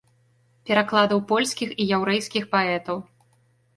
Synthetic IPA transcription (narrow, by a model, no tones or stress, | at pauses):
pʲɛɾaklˠad̪ɐwpɔlʲsʲkʲixijawɾɛjskʲixpaɛt̪ɐw